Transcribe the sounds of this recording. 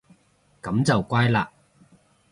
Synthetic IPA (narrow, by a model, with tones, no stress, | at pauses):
kɐ˨˧˥mt͡sɐ˨wkʷaː˥jlaː˧